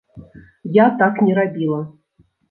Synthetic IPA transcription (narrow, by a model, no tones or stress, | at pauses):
jat̪aknʲɪɾabʲilˠə